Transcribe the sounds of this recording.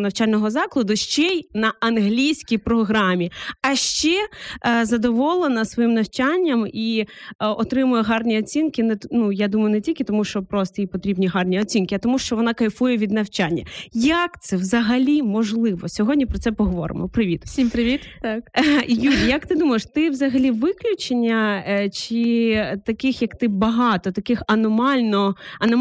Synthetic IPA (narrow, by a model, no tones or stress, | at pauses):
nɐwt͡ʃalʲnɔɦɔzɑklˠɐd̪ʊʃt͡ʃɛjnɐɐnɦlʲijsʲkʲijpɾɔɦɾɑmʲiɐʃt͡ʃɛzɐd̪ɔʋɔlˠenɐsʋɔjimnɐwt͡ʃanʲːɐmi | ɔt̪ɾɪmʊjɛɦɑrnʲiɔt͡sʲinkɪnɛnujad̪umɐjʊnɛtʲilʲkʲɪt̪ɔmuʃt͡ʃɔpɾɔst̪ɔjipɔt̪ɾʲibnʲiɦɑrnʲiɔt͡sʲinkɪɐt̪ɔmuʃt͡ʃɔʋɔnɑkɐjfujɛʋʲid̪nɐwt͡ʃanʲːɐ̰jɐkt̪sɛʋzɐɦɐlʲimɔʒlˠɪʋɔsʲɔɦɔdʲnʲipɾɔt̪sɛpɔɦɔʋɔ̰ɾɪ̰mɔpɾɪʋʲit̪sʲimpɾɪʋʲit̪t̪akjuɾʲijɐkt̪ɪd̪umɐjʃt̪ɪwzɐɦɐlʲiʋɪklʲʊt͡ʃenʲːɐt͡ʃit̪ɐkɪxjɐkt̪ɪbɐɦɑt̪ɔt̪ɐkɪxɐnɔmɑlʲnɔɐnɔ